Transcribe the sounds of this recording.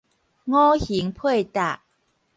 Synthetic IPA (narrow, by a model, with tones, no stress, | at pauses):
ŋɔ˦hi˨˦ŋpʰwə˥˩˨jt̪a˨˩ʔ